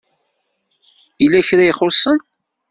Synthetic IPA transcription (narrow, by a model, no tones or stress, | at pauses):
ilːæçɾæjiχʊsən